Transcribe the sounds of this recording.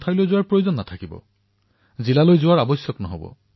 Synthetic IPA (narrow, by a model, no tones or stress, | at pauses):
tʰajlojzʊwaɹpɹojozɔnːat̪ʰakibɔ̰ | zilalojzʊwaɹabɔsjɔknɔɦobɔ̰